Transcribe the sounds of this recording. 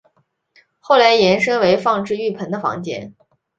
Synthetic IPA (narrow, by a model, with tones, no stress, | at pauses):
xo˥˩ʊla˧˥ɪjɛ˧˥nʂɤ˥ŋwe˧˥ɪfɑ˥˧ŋʈ͡ʂɻ̩˥˧y˥˩pʰə˧˥nd̪ə˧fɑ̰˧˥ŋt͡ɕjɛ̰˥n